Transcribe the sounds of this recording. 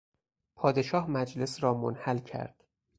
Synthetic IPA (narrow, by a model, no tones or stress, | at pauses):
pʰɒːd̪e̞ʃɒːhmæd͡ʒle̞sɾɒːmo̰nhælcʰæ̰ɾd̪̥